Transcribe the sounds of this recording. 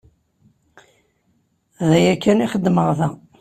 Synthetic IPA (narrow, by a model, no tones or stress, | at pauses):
ðæjækːæniχəd̪ːməʁðæ